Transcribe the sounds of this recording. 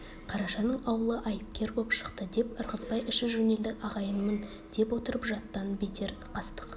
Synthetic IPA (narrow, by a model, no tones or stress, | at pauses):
qʰɑɾɑʃɑnəɴɑwəlˠəʔɑjəp̚kʲe̞ɾbo̞pʃə̥qt̪əd̪e̞pəɾʁəzbɑjʔɪʃɪʒʊne̞ld̪ɪɑʁɑjənmən | d̪̥e̞pwo̞t̪əɾəpʒɑt̪ːɑnbe̞t̪ʰe̞ɾqʰɑst̪ə̥q